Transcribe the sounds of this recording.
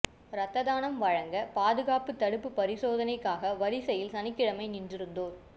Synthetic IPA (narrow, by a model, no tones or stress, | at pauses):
ɾɐt̪ːɐðaːnɐmʋɐɻɐŋɡɐpaːðɯɣaːpɯt̪ːɐɽɯpːɯpɐɾɪsoːðɐnɐɪkːaːɣɐʋɐɾɪsɐjɪlsɐnɪkːɪɻɐmɐɪnɪndrɪɾɯnd̪oːɾ